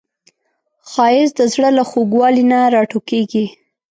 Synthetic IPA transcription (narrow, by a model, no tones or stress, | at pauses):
xɑjɪsd̪əzɽəlaxoɡwɑlinaɾɑʈokeɡi